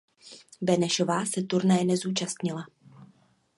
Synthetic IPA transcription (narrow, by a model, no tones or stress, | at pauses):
bɛnɛʃo̞vaːsɛt̪uɾnajɛnɛzuːt͡ʃast̪ɲɪla